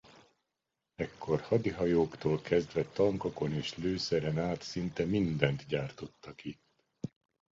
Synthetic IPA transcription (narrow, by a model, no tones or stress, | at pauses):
ɛkʰːo̞rhɒd̪iɦɒjoːkt̪oːlkɛzd̪vɛt̪ɒŋkoko̞neːʃløːsɛɾɛnaːt̪sint̪ɛmind̪ɛnt̪ɟaːrt̪o̞t̪ːɒkit̪